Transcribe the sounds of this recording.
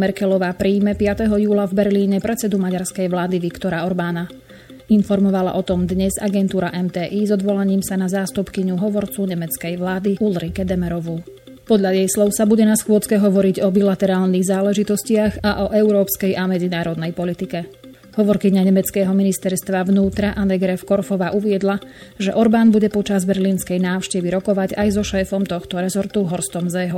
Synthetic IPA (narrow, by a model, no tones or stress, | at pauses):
mɛɾkɛlɔʋaːpɾiːmɛpɪat̪ɛɦɔjuːlavbɛɾliːɲɛpɾɛt͡sɛd̪umaɟaɾskɛjʋlaːd̪iʋikt̪ɔɾaɔɾbaːna | infɔɾmɔʋala̰ʔɔt̪ɔmd̪ɲɛza̰ɡɛnt̪uːɾaʔɛmt̪ɛːʔiːzɔd̪ʋɔlaɲiːmsanazaːst̪upkiɲuɦɔʋɔɾt͡suɲɛmɛt͡skɛjʋlaːd̪iulɾikɛd̪ɛmɛɾɔʋu | pɔd̪ʎajɛjslɔʊsabuɟɛnasxʋʊɔt͡skɛɦɔʋɔɾiɟɔbilat̪ɛɾaːlniɣzaːlɛʒit̪ɔscɪaɣaʔɔʔɛʊɾɔːpskɛjʔamɛd͡zinaːɾɔd̪nɛjpɔlit̪ikɛ | ɦɔʋɔɾkiɲaɲɛmɛt͡skɛːɦɔminist̪ɛɾst̪ʋaʋnuːt̪ɾaʔanɛɡɾɛfkɔɾfɔʋaːʔuʋɪɛd̪laʒɛ̰ʔɔɾbaːnbuɟɛpɔt͡ʃazbɛɾliːnskɛjnaːʊʃcɛʋiɾɔkɔʋaɟajzɔʃɛːfɔmt̪ɔxt̪ɔɾɛzɔɾt̪uɦɔɾst̪ɔmzɛːɦɔ